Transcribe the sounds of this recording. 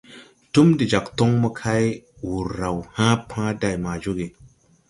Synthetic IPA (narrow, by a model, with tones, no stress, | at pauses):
tu˦mdi˨d͡ʒa˨kto˦ŋmə˦kʰa˦j | wu˨ɾːa˨whã˦pʰã˦da˨jma˨d͡ʒo˦ɡe˨